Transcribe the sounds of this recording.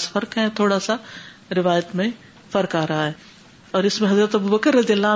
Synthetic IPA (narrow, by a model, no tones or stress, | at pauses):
sfɐɾkɦɛ̃t̪ʰoːɽasa | ɾɪʋaːjət̪mẽ | fɐɾkaːɾaaːɦeː | ɔːɾɪsmẽɦɐzɾət̪ɐbubɐkəɾːɐzijəlːaː